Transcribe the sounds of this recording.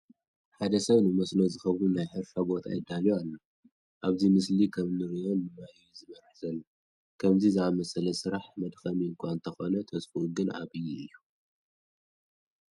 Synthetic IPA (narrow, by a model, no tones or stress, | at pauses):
ħad̪ɐsɐβnɨmɐsno̞zɨxɐβunajħɨɾʃabo̞t̪ʰa̰jɪd̪ːaljualːɐ | ʔaβzimɨslikʰɐmnɨɾijo̞nːɨmajuzɨmɐɾħzɐlː | kʰɐmzizɨamɐsɐlɐsɨɾaħmɐd̪xɐmiɨŋkʰʷaɨnt̪ʰɐxo̞nɐt̪ʰɐsfuʔuɡɨnʔa̰βɨjːuʔɨjːu